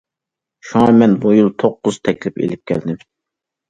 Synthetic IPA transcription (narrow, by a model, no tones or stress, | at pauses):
ʃuŋɑmɛnbujulˠt̪ʰoqːʊz̥t̪ʰɛkʲlɪpḛlɪp̚kʲʰɛ̰ld̪ɪm